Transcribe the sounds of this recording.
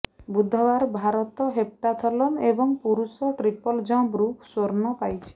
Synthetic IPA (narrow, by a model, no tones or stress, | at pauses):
bud̪ʱːɔbaɾbʱaɾɔt̪ɔɦep̚ʈat̪ʰɔlɔnebɔŋpuɾusɔʈɾipɔld͡ʒɔ̃bɾuksoɾnɔpajt͡ʃʰi̥